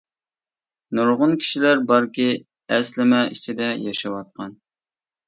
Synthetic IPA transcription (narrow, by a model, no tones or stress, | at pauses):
nuɾʁʊnkʲʰi̥ʃilæɾbɑɾkʲi | ɛslɪmɛit͡ʃʰid̪ɛjɑʃɑwɑt̪̚qɑn